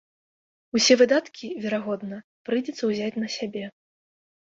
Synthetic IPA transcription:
usʲɛvɨd̪at̪kʲivʲɛɾaɣɔd̪nɐ | pɾɨd͡zʲɛt̪sɐwzʲat͡sʲnɐsʲabʲɛ

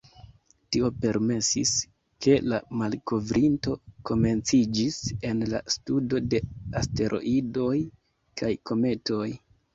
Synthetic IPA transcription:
tio̞pe̞ɾme̞sḭs | ke̞lamalko̞vɾinto̞ko̞me̞nt͡sid͡ʒise̞nla̰studo̞de̞aste̞ɾʔo̞̰ʔido̞j | kajko̞me̞to̞j

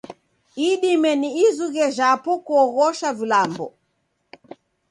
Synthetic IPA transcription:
iɗimɛniːzuɣɛʒapɔkuɔɣɔʃavilambɔ̰

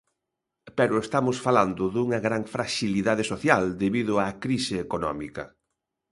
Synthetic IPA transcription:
peɾʊest̪amʊsfaland̪ʊðuŋɐɣɾaŋfɾaʃiliðaðesoθjald̪eβiðʊakɾisɪːkonɔ̰mikɐ

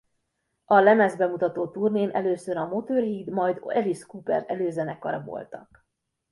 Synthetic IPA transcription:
ɒlɛmɛzbɛmut̪ɒt̪oːt̪urneːnʔɛløːsøɾɒmot̪orɦiːd̪mɒjd̪ɛliʃkuːpɛ̰rɛløːzɛnɛkːɒ̰ɾɒbo̰lt̪ɒ̰k

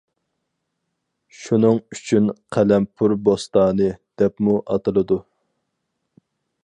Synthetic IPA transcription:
ʃunɨŋyt͡ʃʰynqʰælɛmpʰuɾbost̪ɑːnɨd̪̥ɛpmuʔɑt̪ɨlˠɨd̪u

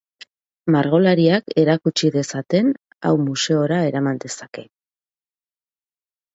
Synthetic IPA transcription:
maɾɣ̞o̞laɾiake̞ɾakut͡ʃiðe̞sat̪e̞n | a̰wmuse̞o̞ɾae̞ɾamand̪e̞sḁke̞

